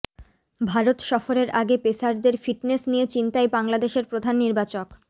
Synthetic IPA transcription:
bʱaɾot̪ʃɔfoɾeɾʔaɡepesaɾd̪eɾfiʈnesnijet͡ɕint̪aebaŋlad̪eʃeɾpɾod̪ʱanːiɾbat͡ɕok

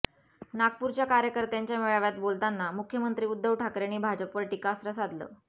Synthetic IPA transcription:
nak̚puɾt͡ɕjakaɾjəkəɾt̪jaɲt͡ɕjameɭaʋjat̪bolt̪anːamukʰjəmənt̪ɾiːud̪ːəʋʈʰakɾaɽ̃iːbʱad͡ʑəpʋəɾʈikasɾəsad̪lə̰ː

